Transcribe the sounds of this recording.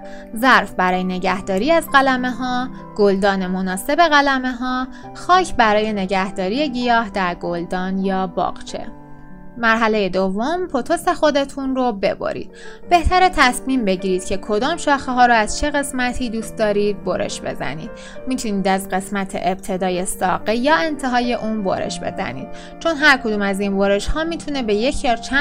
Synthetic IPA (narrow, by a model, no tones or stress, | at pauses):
zæɾfbæɾɒːjene̞ɟæhd̪ɒːɾiːæzɢælæme̞ɦɒː | ɡ̥old̪ɒːne̞mo̞nɒːse̞be̞ɣælæme̞ɦɒː | xɒːcʰbæɾɒːje̞ne̞ɟæhd̪ɒːɾiːje̞ɟijɒːhd̪æɾɡold̪ɒːnjɒːbɒ̰ːqt͡ʃʰe̞̰ | mæɾɦæle̞je̞d̪ovːompʰot̪ʰose̞xo̞d̪e̞t̪ʰunɾobe̞̰bo̰ɾḭːd̪̥̚b̥e̞ht̪æɾet̪ʰæsmiːmbe̞ɟiːɾiːd̪̥cʰekʰo̞d̪ɒːmʃɒːxeɦɒːɾoæz̥t͡ʃʰe̞ɣe̞smæt̪ʰiːd̪uːst̪̚d̪ɒːɾiːd̪̚boɾʔe̞̰ʃbe̞̰zæ̰nḭːd̪̥ | mit̪ʰuniːd̪æzɢe̞smæt̪ʰe̞̰ʔeb̥̚t̪ʰe̞d̪ɒːjesɒ̰ːɢejɒːe̞nt̪ʰe̞ɦɒːje̞ʔuːnbo̰ɾḛʃbe̞̰zæ̰nḭːd̪̥̚ | t͡ʃʰo̞nɦæɾkʰo̞d̪uːmæzinboɾe̞ʃhɒːmit̪ʰune̞be̞je̞cʰjɒːt͡ʃʰæ